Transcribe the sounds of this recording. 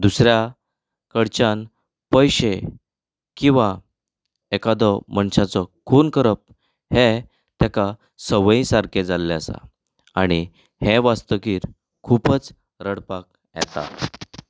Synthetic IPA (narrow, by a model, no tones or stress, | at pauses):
d̪usɾja | kəɽt͡ɕan | pəjɕe | kĩw̃ʋa | ekad̪ɔmənɕat͡sɔkʰonkəɾəp̚ | he | t̪jaka | səʋĩsaɾkʰed͡zalːɛəsa̰ | aɽ̃i | heʋast̪əkiːɾ | kʰupət͡s | ɾəɽpak | jɛ̰t̪a̰